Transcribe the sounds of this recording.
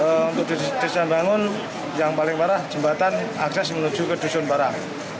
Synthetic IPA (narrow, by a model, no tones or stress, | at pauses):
əunt̪ʊk̚d̪d̪əisanbaŋʊn | jaŋpalɪŋpaɾahd͡ʒ̥əmbat̪ana̰ksɛsmənu̥d͡ʒ̥ukəd̥usʊnbaɾah